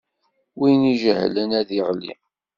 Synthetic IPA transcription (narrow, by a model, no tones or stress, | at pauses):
winiʒəhlənæðiʁlḭ